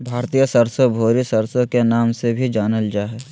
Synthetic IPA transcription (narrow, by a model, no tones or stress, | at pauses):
bʱaːɾt̪ijəsəɾsobʱoːɾisəɾsokenaːmsebʱid͡ʒaːnəld͡ʒaːɦɛ